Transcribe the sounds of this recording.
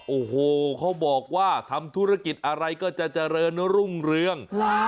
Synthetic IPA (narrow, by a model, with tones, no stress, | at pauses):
ʔoː˨˩hoː˨˩kʰa˦˥wbɔː˨˩k̚waː˥˩t̪ʰa˧mt̪ʰu˦˥˩ɾa˧ki˨˩t̪̚ʔa˧ɾa˧jkɔː˥˩t͡ɕa˨˩t͡ɕa˨ɾɤː˧n˥ɾu˥˩ŋɾɯ˧əŋ